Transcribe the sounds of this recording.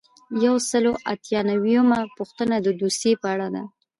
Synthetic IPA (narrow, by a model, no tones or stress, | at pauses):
jawsəloʔat̪jɑnawijəmapuxt̪ənad̪əd̪osjepəaɽad̪a